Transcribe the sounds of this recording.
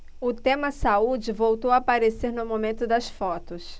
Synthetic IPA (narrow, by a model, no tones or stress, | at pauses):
ʊt̪ẽmɐsaud͡ʒɪvowt̪owapaɾeseɾnʊmomẽnt̪ʊd̪ɐsfɔt̪ʊs